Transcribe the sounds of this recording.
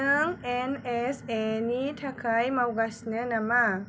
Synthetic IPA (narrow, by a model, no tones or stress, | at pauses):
əŋɛnɛsɛnitʰakʰajmawɡasnənama